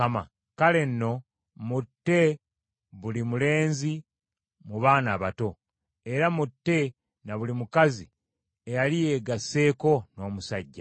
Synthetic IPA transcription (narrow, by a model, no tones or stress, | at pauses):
ama̰ | kale̞nːo̞ | mutːe̞ | βulimule̞ːnzi | muβaːnaːβato̞ | e̞ɾamutːe̞ | naβulimukazi | ejalije̞ɡase̞ːko̞no̞ːmusaɟːa